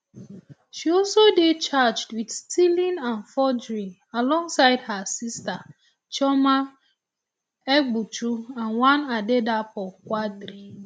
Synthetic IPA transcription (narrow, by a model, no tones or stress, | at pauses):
ʃiɔlsodet͡ʃad͡ʒdwidstʰilĩnãnfɔd͡ʒɹi | alɔ̃ŋsaɪdhasista | t͡ʃɔma | ɛɡ͡but͡ʃuãnwãnadedapɔkwadɾi